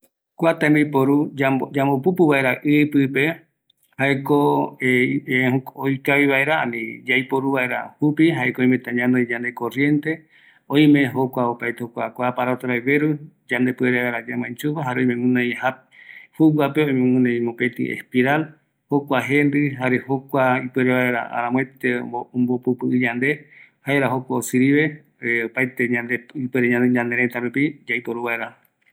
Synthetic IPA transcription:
kʷat̪ambipoɾuad͡ʒamopupuβae̞ɾaʔɨpɨpe | haeko | eojkaβiβae̞ɾaa̰nĩd͡ʒajpoɾuβae̞ɾa̰hupiɦaekooj̃mẽt̪ãɲãnojd͡ʒand̪ekorje̞nt̪e̞ | õĩmẽ̞ɦokʷaopajt̪ehokʷakʷapaɾat̪aɾajβeɾud͡ʒãnd̪epɨeɾeβaeɾad͡ʒamãĩt͡ʃuβaɦaɾeojmẽmũnẽjha | huwwapeojmẽmũnẽj̃mõpet̪ḭḛspiɾal | hokʷaɦẽnd̪ɨɦaɾehokʷaipweɾeβaeɾa̰a̰ɾãmwet̪eombopupɨʔɨd͡ʒand̪e̞haeɾaɦokʷaosɨɾiβe̞ | opajt̪eɲãnd̪eipeɾeɲãneɲãnd̪eɾet̪aɾupid͡ʒaipoɾuβaeɾa

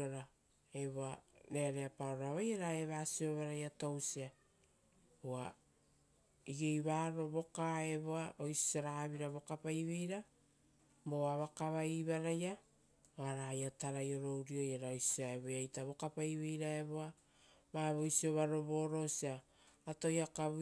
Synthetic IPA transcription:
oɾa | e̞βoaɾeaɾeapaoɾaβajaɾaeβaːsio̞βaɾajatowsia | ua | iɡejβaɾo̞βo̞kae̞βoaʔo̞jsi̥aɾaβiɾaβo̞kapajβejɾa | moaβakaβaiβaɾaja | oaɾajataɾajo̞ɾo̞wɾio̞jaɾaojsiaeβojajtaβo̞kapajβejɾae̞βoa | maβo̞jsio̞βaɾo̞βo̞ːɾo̞siaː | to̞jakaβ

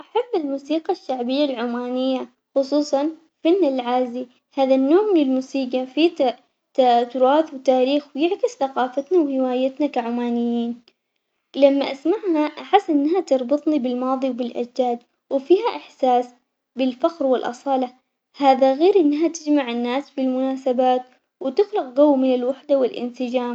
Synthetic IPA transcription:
ʔaħabːɪlmuːsiːqɑʃːaʕbɪjːalʕʊmaːnɪjːa | xʊsˤuːsˤɑn | fanːɪlʕaːzi | haːðanːoːʕmɪnɪlmuːsiːqafit̪ | t̪at̪ʊɾˤɑːθwɪt̪aːɾiːxwjɪʕkɪsθaqɑːfat̪nawhɪwaːjat̪nakaʕʊmaːnɪjːiːn | lamːaʔasmaʕhaʔaħɪsːʔɪnːɦat̪ɨɾˤbɨt̪ˤnibɪlmɑːðˤiwbɪlʔa̰d͡ʒdaːd̪ | wɪfiːɦaʔɪħsaːs | bɪlfaqɾwɪlʔɑ̰sˤɑːlɑ | haːðaɣeːɾʔɪnːɦat̪ɪd͡ʒmaʕɪnːaːsbɪlmʊnaːsabaːt̪ | wɪt̪ɪxlɪq̚ɡawːmɪnɪlwaħd̪awɪlʔɪ̰nsɪd͡ʒaːm

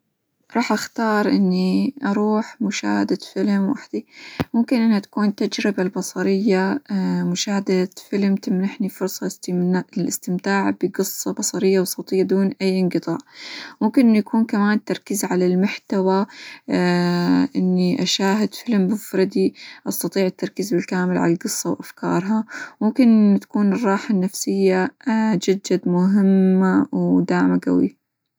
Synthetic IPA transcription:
ɾˤɑːħʔaxt̪ɑːɾˤʔɪ̰nːiʔɑɾˤuːħmʊʃa̰ːhad̪afɪlmwa̰ħd̪̥imʊmkɪnʔɪnhat̪ḁkuːnt̪ad͡ʒɾɪbalbɑsˤɑɾɪjːamʊʃaːhad̪afɪlmt̪ɪmnaħnifʊɾsˤɑ | lʔɪ̰st̪ɪmt̪aːʕbɪɡɨsˤːɑbɑsˤɑɾɪjːawsˤowt̪ˤɪjːad̪uːnʔajːʔɪnqɨt̪ˤɑ̰ːʔmʊmkɪnʔɪnːjakuːnkamaːnt̪ɑɾˤkɪzʕalalmʊħt̪awa | ʔɪnːiʔaʃaːɦɪd̪fɪlmbʊfɾˤɑd̪iʔɑst̪ɑt̪ˤiːʕɪt̪ːɑɾˤkizbɪlkaːmɪlʕa̰lalɡɨsˤːɑwʔafkɑ̰ːɾˤɦɑmʊmkɪnt̪ḁkuːnɨrˤːɑːħanːafsɪjːad͡ʒad͡ʒːad̪mʊɦɪmːawd̪aːʕmaɡa̰wḭ

